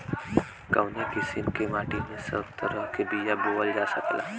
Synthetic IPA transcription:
kəʋnekɪsɪmkemaːʈimẽsɐ̰ʊt̪ːəɾəmkebiːjaboːəld͡ʒaːsəkla̰ː

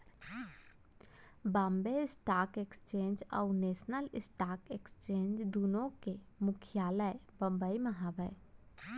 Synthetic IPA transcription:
bãːmbeɪsʈaːkekst͡ʃẽːɲd͡ʒɔːneːsnəlɪsʈaːkekst͡ʃẽːɲd͡ʒd̪uːnõke | mʊkʰjaːləjbə̃mbəiməɦabəj

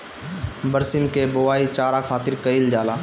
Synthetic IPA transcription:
bəɾsɪmkebʊʋaːit͡ʃaːɾakʰaːt̪ɪɾkɐild͡ʒaːlaː

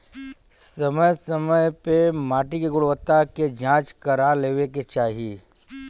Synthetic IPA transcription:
sɐməjsɐməjpemaːʈikiɡʊɽʋət̪ːaked͡ʒãːt͡ʃkɐɾaleːʋeket͡ʃaːɦiiː

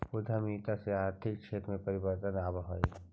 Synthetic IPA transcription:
pʊd̪ʱamiːt̪aseaːɾt̪ʰɪkːʃeːt̪ɾəmẽpɐɾɪbəɾt̪ənaːbaɦoe

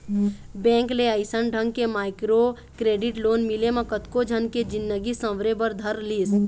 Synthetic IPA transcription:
bɛ̃ːŋkleəɪsənɖʱə̃ŋɡ̚kemaːɪkɾo | kɾeːɖiʈloːnmilemẽkət̪kod͡ʒʱənked͡ʒɪnːəɡisə̃ʋɾebəɾd̪ʱəɾliːs

